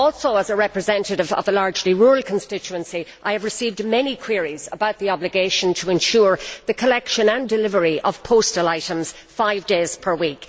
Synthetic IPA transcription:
ɔlˠsoʊəzəɹɛpɹɨzɛ̃ntəɾɪvə̰vəlaɹd͡ʒliɹuːɹəl̩ˠkʰə̃n̩stɪt͡ʃuə̃nsiʔaɪɨvɹɨsiːvdmɛnikʰw̥ɪɹiz̥ə̰baʊt̪̚ðiɑblɨɡeɪʃə̃ntʰəɛ̃nʃʊːɹðəkʰəlɛkʃə̃nə̃ndɪlɪvə˞iʔəv̥pʰoʊstəlaɪɾə̃mz̥ | faɪvdeːz̥pʰə˞wik

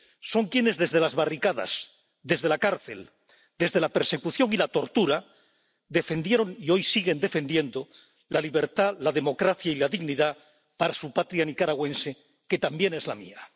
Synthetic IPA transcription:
so̞ŋkje̞ne̞zðe̞zðe̞lazβarikaða̰s | d̪e̞zð̞e̞lakaɾθe̞̰l | d̪e̞zðe̞lape̞ɾse̞kuθjo̞ŋilat̪o̞ɾt̪uɾa | d̪e̞fe̞nd̪je̞ɾo̞ŋio̞jsiɣe̞nd̪e̞fe̞nd̪je̞nd̪o̞ | laliβ̞e̞ɾt̪alaðe̞mo̞kɾaθjailaðiɣniða | paɾasupat̪ɾjanikaɾaɣwẽ̞nse̞ | ke̞t̪ambje̞ne̞zlamḭa

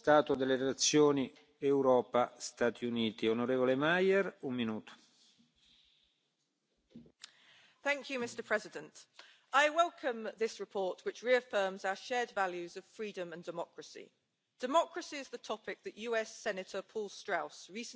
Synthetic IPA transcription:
t̪aːt̪od̪elːeɾelat̪sːjoːni | ɛwɾɔːpast̪aːt̪ʰiuniːt̪ionoɾeːvolemajɛɾumminuːt̪o̥ | θæ̃ŋkʰjʉmɪstəpʰɹ̥ɛzɪdə̃nt | ʔaɪwɛlˠkʰə̃mðɪsɹɪpʰɔˑtwɪt͡ʃɹiəfɜːmzaʊəʃɛːdvaljʉzəv̥fɹiːdə̃mə̃ndɪmɒkʰɹəsḭ | d̥ɪmɒkɹəsiɪzðətʰɒpɪk̚ðəʔjʉːɛsɛnətʰəpʰɔːlˠstɹ̥aʊsɹiˑsə

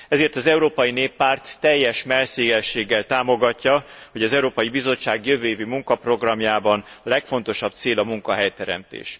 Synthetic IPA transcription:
ɛzeːrt̪ɒzɛuɾoːpɒjineːpːaːrt̪ːɛjːɛʃmɛrseːɡɛʃeːɡːɛlt̪aːmo̞ɡɒcːɒho̞ɟɒzɛuɾoːpɒjibizo̞t͡ʃːaːɡjøvøːjeːvimuŋkɒpro̞ɡrɒmjaːbɒnlɛkfo̞n̪t̪o̞ʃɒb̥̚t̪seːlɒmuŋkɒɦɛjt̪ɛɾɛ̰mt̪ḛːʃ

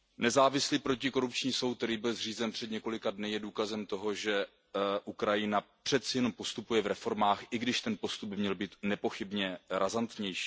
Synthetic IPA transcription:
nɛzaːvɪsliːpɾo̞cɪko̞ɾup̚t͡ʃɲiːso̞wt̪̚t̪ɛɾiːbɪlzr̝iːzɛnpr̥ɛd̪ɲɛko̞lɪkadnɪjɛduːkazɛmt̪o̞ɦo̞ʒɛ | ʔukɾajɪnapr̝̥ɛt̪t͡sɪjɛno̞mpo̞st̪upujɛvɾɛfo̞ɾmaːxʔɪɡdɪʃt̪ɛnpo̞st̪ub̚bɪmɲɛlbiːt̪nɛpo̞xɪbɲɛɾazant̪ɲɛjʃi̥ː

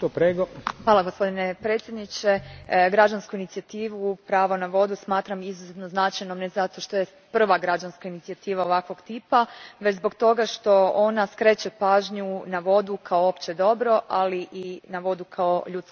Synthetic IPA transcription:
t̪opɾeɡoxʋaːlaɡospo̞d̪ine̞pɾet̪sjed̪nit͡ʃe̞ɡɾad͡ʒanskuinit̪siat̪iːʋupɾaːʋonaʋo̞d̪usmaːt̪ɾamizuzet̪no̞znat͡ʃajnomne̞zat̪o̞ʃt̪o̞je | pr̩ʋaɡɾad͡ʒanskainit̪siat̪iːʋao̞ʋakʋo̞ɡt̪iːpaʋe̞t͡ɕzbo̞ɡt̪o̞ɡaʃt̪o̞onaskɾe̞t͡ɕepaːʒɲunaʋo̞d̪ukʰaoopt͡ɕe̞d̪o̞bɾo̞ʔaliʔinaʋo̞d̪ukʰao̞ʎut̪k

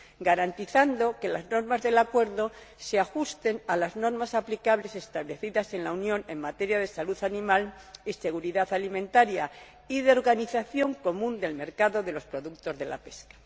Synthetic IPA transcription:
ɡaɾant̪iθand̪o̞ke̞lazno̞ɾmazðe̞lakwe̞ɾðo̞ | seaxust̪e̞nalazno̞ɾmasaplikaβle̞se̞st̪aβle̞θiðase̞nlaunjõ̞ne̞̰ŋmat̪e̞ɾjaðe̞saluθanĩmalise̞ɣ̞uɾiðaθalimẽnt̪aɾja | iðeo̞ɾɣaniθaθjo̞ŋko̞mũnd̪e̞lme̞ɾkaðo̞ðe̞lo̞spɾo̞ðukt̪o̞zðe̞la̰pe̞skḁ

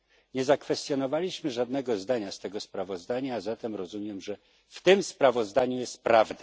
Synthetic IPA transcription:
ɲɛzakfɛst̪ʲjɔnɔvalʲiɕmɘʐad̪nɛɡɔzd̪aɲast̪ɛɡɔspɾavɔzd̪aɲaːzat̪ɛmɾɔzumʲjɛmʐɛ | ft̪ɘmspɾavɔzd̪aɲujɛst̪̚pɾavd̪a

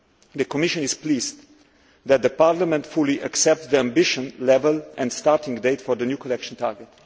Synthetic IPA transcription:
ðəkɔmɪʃə̃nɪz̥pliz | ðæt̪̚d̪əpaɹlamɛ̃ntfuliʔaksɛp̚tðiãmbɪʃə̃nlɛvəlɛ̃ndstaɹtɪ̃ŋdeɪtfɔɾðənjukɔlɛkʃə̃n̩taɹɡɛt

